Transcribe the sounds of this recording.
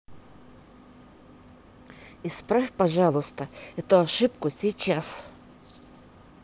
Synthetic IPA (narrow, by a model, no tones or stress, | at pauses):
ɪspɾafʲpɐʐalˠʊst̪əɛt̪ʊɐʂɨpkʊsʲit͡ɕas